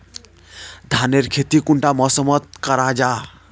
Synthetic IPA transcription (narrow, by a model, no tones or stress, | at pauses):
d̪ʱaneɾkʰet̪ikuɳʈamɔsəmət̪̚kəɾad͡ʒa